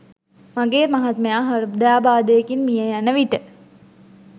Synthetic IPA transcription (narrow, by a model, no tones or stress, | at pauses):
maɡeːmaɦat̪məjaːɦɐɾud̪ejaːbaːd̪əjekinmijəjanəʋiʈə